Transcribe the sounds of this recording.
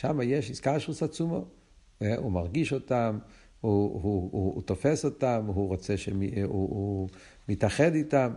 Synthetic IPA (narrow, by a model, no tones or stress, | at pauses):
ʃamajeʃiskaʃʁusat͡sumo | eumaʁɡiʃotam | uhuut̪ofesotamɦuʁot͡seʃemiuu | mitaχeditam